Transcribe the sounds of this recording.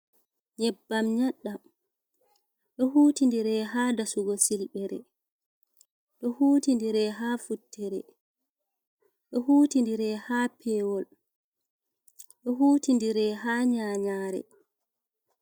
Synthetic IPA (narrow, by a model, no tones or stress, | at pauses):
ɲɛbːamɲaɗːam | ɗɔɦuːtindiɾɛɦadasuɡɔsilɓɛɾɛ̰ | ɗɔhuːtindiɾɛɦaːfutːɛɾɛ̰ | ɗɔhuːtindiɾɛhaːpʰɛwɔl | ɗɔɦuːtindiɾɛɦaːɲaːɲaːɾɛ̰